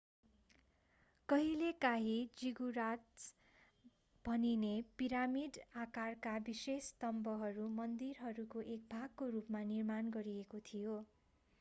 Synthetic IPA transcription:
kʌɦilekaɦid͡ziɡuɾat͡s | b̥ʱʌninepiɾamiɖakarkabisest̪ʌmbʌɦʌɾumʌnd̪irɦʌɾukoʔek̚bʱaɡ̚korupmanirmanɡʌɾiekot̪ʰijo

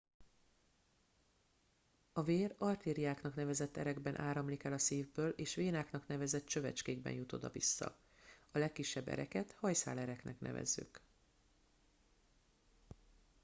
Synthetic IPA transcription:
ɒveːrɒrt̪iːɾijaːknɒknɛvɛzɛt̪ːɛɾɛɡbɛnʔaːɾɒmlikɛlɒsiːvbøːlʔeːʃʋeːnaːknɒkn̪ɛvɛzɛt̪ːt͡ʃø̞vɛt͡ʃkeːɡbɛ̰njut̪o̞d̪ɒ̰visːɒ̰ | ɒlɛkːiʃːɛbːɛ̰ɾɛkɛt̪hɒjsa̰ːlɛɾɛknɛ̰knʔɛ̰vɛ̰zːy̰k

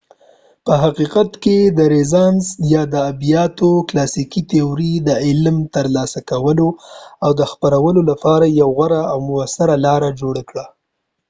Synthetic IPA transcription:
pəɦaqiqat̪ked̪əɾezɑnzjɑd̪əːbijɑt̪oklɑsikit̪euɾid̪əɪlmt̪əɾlɑsakawəloawd̪əxpaɾawəlolapɑɾajawɣaɾaːwmʊasaɾalɑɾad͡ʒoɽakɽa

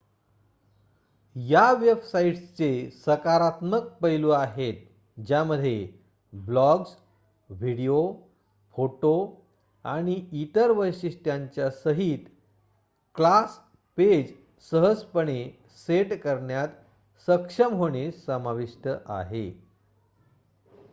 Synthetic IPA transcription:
jaʋebsaiʈst͡sesəkaɾat̪mək̚pəjluaɦet̪̚ | d͡ʑjaməd̪ʱːje | blɔɡs | ʋiɽijo | foʈo | a̰ɽ̃iit̪əɾʋəjɕiʂʈjaɲt͡ɕjasəɦiːt̪ | klas | ped͡ʑ | səɦəspəɳ̃e | seʈkəɾɳjat̪ | səkʂəmɦoɳ̃esəmaʋiʂʈəʔa̰ɦḛ

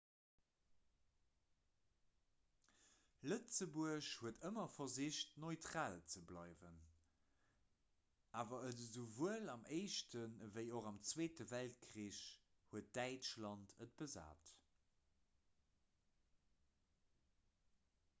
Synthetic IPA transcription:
lət͡səbuəɕhuətəmɐfɐziɕtnoɪtʁaːlt͡səblɑɪvən | aːvɐədəzuvuəlɑmʔeɪʃtʰənvəɪoʁɑmt͡sweːtəvælt̚kʰʁiːɕ | huət̚d̥æɪt͡ʃlɑntʰət̚b̥əza̰ːt

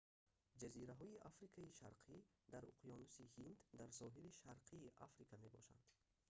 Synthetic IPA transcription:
d͡ʒaziɾaɦɔiʔafɾikʰaiʃa̰ɾqʰid̪aɾṵqʰjɔnusihind̪d̪aɾsɔɦiliʃaɾqʰiːʔa̰fɾikʰamebɔ̰ʃa̰nd̪̥

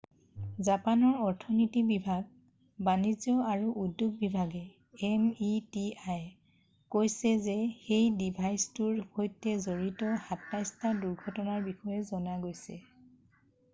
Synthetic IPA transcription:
zapanɔɹɔɹtʰɔnitibibʱaɡ̚ | banizjɔaɹuʔudːjuɡ̚bibʱaɡɛ | ɛmitiaj | kojsɛzɛxejdibʱajstuɹhojtɛzoɹitɔhatnajstaduɹɡʱɔtɔnaɹbixɔjɛzɔnaɡojsɛ̰

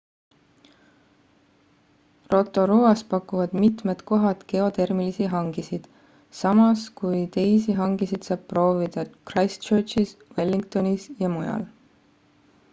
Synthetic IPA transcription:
ro̞t̪ːˑo̞ɾuɑspɑkːˑuvɑd̪̥mit̪met̪ko̞ɦɑt̪ke̞o̞t̪e̞rmilisiɦɑŋɡ̥isid̪̥ | sɑmɑskujt̪e̞jsiɦɑŋɡ̥isid̪̥sɑːb̥pro̞ːvid̪̥ɑkrɑjst͡ʃøːt͡ʃiswe̞lːiŋkt̪o̞nisjɑmujɑ̰l

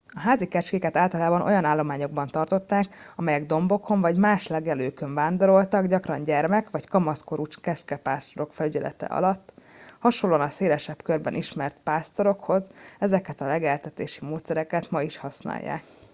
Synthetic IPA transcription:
ɒɦaːzikɛt͡ʃkeːkɛt̪aːlt̪ɒlaːbɒnʔo̞̰jɒnaːlːo̞maːɲo̞ɡ̚bɒnt̪ɒrt̪o̞t̪ːaːkɒmɛjɛɡd̪o̞mbo̞kʰo̞ɱvɒɟmaːʃlɛɡɛløːkøɱvaːnd̪o̞ɾo̞lt̪ɒɡɟɒkrɒɲɟɛrmɛkʋɒckɒmɒskoɾuːt͡ʃkɛt͡ʃkɛpaːst̪o̞ɾo̞kfɛlyɟɛlɛ̰t̪ɛ̰ʔɒ̰lɒt̪ːhɒʃolːoːɒnɒseːlɛʃɛpkø̞rbɛnʔiʃmɛrt̪̚paːst̪oɾo̞kho̞zɛzɛkɛt̪ɒlɛɡɛlt̪ɛt̪eːʃimoːt̪sɛɾɛkɛt̪mɒiʃhɒsna̰ːjːa̰ːk

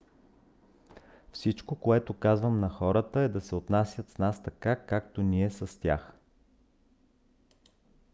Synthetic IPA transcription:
fsit͡ʃkokoɛt̪okazvəmnɐxɔɾət̪əɛd̪ɐsɛot̪nasʲjət̪snast̪ɐkakak̚t̪oniɛsɐst̪ʲa̰x

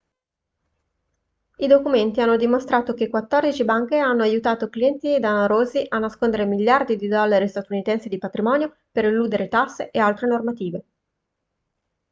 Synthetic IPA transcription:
id̪okument̪ianːod̪imost̪ɾaːt̪ok̟ekwat̪ːɔrd̪it͡ʃibaŋkeanːoajut̪aːt̪okliɛnt̪id̪anaɾoːziʔanːaskond̪eɾemiʎːard̪id̪id̪ɔlːaɾist̪at̪unit̪ɛnsed̪ipat̪ɾimɔːnjo | peɾilːuːd̪eɾet̪asːeʔealt̪ɾenormat̪iːve

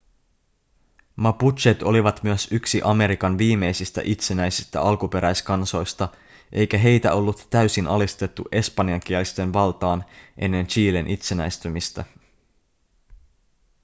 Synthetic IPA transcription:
mɑput̪t͡ʃet̪o̞liʋɑt̪myøsyksiʔɑme̞ɾikɑnʋiːme̞jsist̪æ̰ʔit̪se̞næjsist̪æ̰ɑlkupe̞ɾæjskɑnso̞jst̪ɑ | ʔe̞jkæɦe̞jt̪æo̞lːut̪ːæysinɑlist̪e̞t̪ːuʔe̞spɑniɑŋk̟iɛlist̪e̞nʋɑlt̪ɑːnʔe̞nːe̞nt͡ʃiːlenʔit̪se̞næ̰jst̪ymist̪æ

